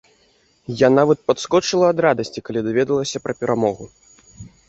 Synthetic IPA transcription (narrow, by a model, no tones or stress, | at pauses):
janavɐt̪̚pɐt̪skɔt͡ʂɨlˠɐːd̪ɾad̪ɐsʲt͡sʲikalʲid̪avʲɛd̪ɐlˠɐsʲɐpɾɐpʲɛɾʔamɔɣu